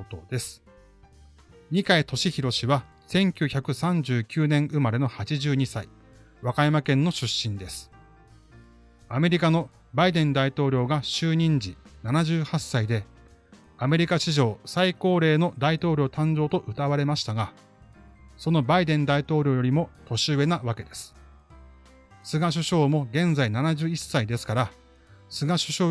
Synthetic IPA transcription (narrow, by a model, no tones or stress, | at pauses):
t̪o̰d̪e̞sɨ̥ | ɲ̟ikait̪ʰo̞ɕiçiɾo̞ɕiβa | sẽ̞ŋkʲɨːçakɯ̟sãɲ̟d͡ʑɨːkʲɨːnẽ̞ɰ̃ʔɯ̟maɾe̞no̞hat͡ɕiʑɨːɲ̟isai | βakajamakẽ̞nːo̞ɕɨɕːĩnd̪e̞sɨ̥ | ame̞ɾʲikano̞ | baid̪ẽ̞nd̪ait̪o̞ːɾʲo̞ːɡaɕɨːɲ̟ĩɲd͡ʑinanaʑɨːhasːaid̪e̞ | ame̞ɾʲikaɕiʑo̞ːsaiko̞ːɾe̞ːno̞d̪ait̪o̞ːɾʲo̞ːt̪ãɲ̟d͡ʑo̞ːt̪o̞ʔɯ̟t̪aβaɾe̞maɕi̥t̪aɡa | so̞no̞baid̪ẽ̞nd̪ait̪o̞ːɾʲo̞ːjo̞ɾʲimo̞t̪o̞ɕɨβe̞naβake̞d̪e̞sɨ̥ | sɨɡaɕ̬ɨɕo̞ːmo̞ɡẽ̞nd͡zainanaʑɨːisːaid̪e̞sɨ̥kaɾa | sɨɡaɕɨ̥ɕo̞ː